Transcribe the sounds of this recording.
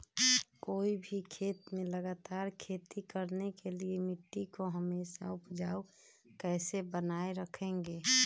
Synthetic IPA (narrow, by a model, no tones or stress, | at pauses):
koːibʱikʰeːt̪mẽləɡaːt̪aːɾkʰeːt̪ikəɾnekeliemɪʈːikoɦəmeːsa̰ʊpd͡ʒaːu | kɛːsebənaːeɾəkʰẽŋɡeː